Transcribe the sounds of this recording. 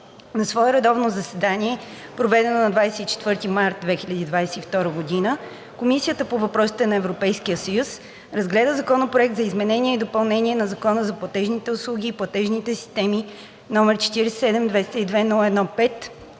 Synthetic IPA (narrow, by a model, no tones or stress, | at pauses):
nɐsvɔɛɾɛd̪ɔvnozɐsɛd̪aniɛ | pɾovɛd̪ɛnonɐd̪vajsɛit͡ʃɛ̥t̪vɤɾt̪imaɾt̪̚d̪vɛxilʲɐd̪iːd̪vajsɛift̪ɔɾəɡod̪inə | komisiət̪əpovɐpɾɔsi̥t̪ɛnɐɛvɾopɛjskijəsəjus | ɾɐzɡlɛd̪əzɐkɔnopɾoɛk̚t̪zɐizmɛnɛniɛid̪opɐlˠnɛnʲiɛnɐzɐkɔnəzɐplˠɐt̪ɛʒnit̪ɛʊslˠuɡ̟iːplˠɐt̪ɛʒnit̪ɛsi̥st̪ɛmi | nɔmɛɾt͡ʃɛ̥t̪iɾɛssɛd̪ɛmd̪vɛst̪əid̪vɛnɔlˠɛd̪nɔpɛt̪